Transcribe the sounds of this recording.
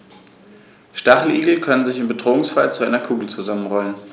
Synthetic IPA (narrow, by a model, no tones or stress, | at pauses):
ʃtaχl̩ʔiːɡl̩kʰœnənzɪçɪmbədʁoːʊŋsfalt͡suʔaɪnɐkʰuːɡl̩t͡suzamənʁɔlən